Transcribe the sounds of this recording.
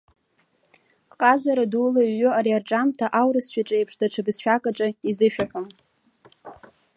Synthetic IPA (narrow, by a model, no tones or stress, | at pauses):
qʼazaɾadulaɥːʊaɾiarʈ͡ʂʼamtʰaʔawɾɨsʃᶣaʈ͡ʂʼejpʰʂdaʈ͡ʂʰabzʃʷᶣakʼaʈ͡ʂʼɨizɨʃᶣaħam